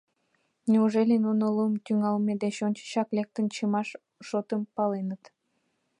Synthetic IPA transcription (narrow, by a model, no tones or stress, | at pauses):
nʲeuʒelʲenunolumt̪yŋɑlmed̪eɕonʲt͡ɕə̥ɕɑklek̚t̪ənt͡ɕəmɑʃ | ʃot̪əmpɑlenət̪